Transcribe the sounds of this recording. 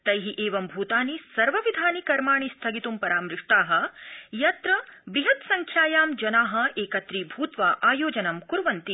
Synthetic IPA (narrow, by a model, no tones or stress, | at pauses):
t̪ɐjɦiʔeːʋɐmbʱuːt̪aːnisɐɾʋɐʋid̪ʱaːnikɐɾmaːɳ̃ist̪ʰɐɡit̪umpɐɾaːmɾɪʂʈaːɦɐ̆jɐt̪ɾɐbiɦɐt̪sɐŋkʰjaːjaːmd͡ʒɐnaːɦɐ̆eːkɐt̪ɾibʱuːt̪ʋaːʔaːjoːd͡ʒɐnɐmkuɾʋɐnt̪i